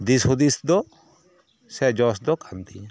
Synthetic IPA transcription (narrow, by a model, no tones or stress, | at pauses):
d̪ishud̪isd̪ɔ | sɛd͡ʒɔsd̪ɔkʰant̪i